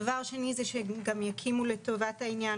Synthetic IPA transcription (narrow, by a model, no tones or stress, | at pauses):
vaʁʃenizeʃeɡamjakʰimule̞to̞vatainja